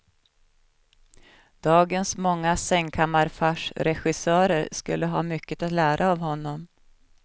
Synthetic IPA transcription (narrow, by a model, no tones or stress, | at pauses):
d̪̥ɑːɡənsmɔŋːasɛŋkʰamːaɾfaʂɾɛɧɪsœːɾəɾskɵlːəɦɑ̰ːmʏkːət̪at̪læːɾʔaːvhɔnːɔm